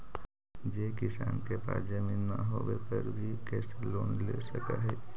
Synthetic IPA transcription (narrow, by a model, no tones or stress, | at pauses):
d͡ʒekisaːnkepa̰ːsd͡ʒəminːəɦoʋepəɾbʱikɛːseloːnlesəkə̰ɦɛ